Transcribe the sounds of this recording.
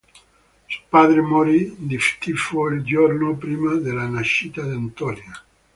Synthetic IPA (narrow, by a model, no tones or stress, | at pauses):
spaðɾemoɾid̪ift̪ifoeld͡ʒoɾnopɾimaðelanaʃit̪aðeant̪onja